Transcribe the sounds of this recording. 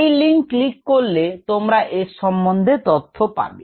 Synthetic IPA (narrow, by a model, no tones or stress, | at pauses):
jliŋlikːoɾlet̪omɾaʔeʃɔmbond̪ʱet̪ɔt̪ʰːopa̰be